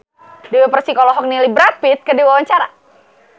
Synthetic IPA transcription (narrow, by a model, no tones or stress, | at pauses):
dɛwɛpərsikalɔɦɔk̚nilibɾapit̪̚kədiwawaɲt͡ʃaɾa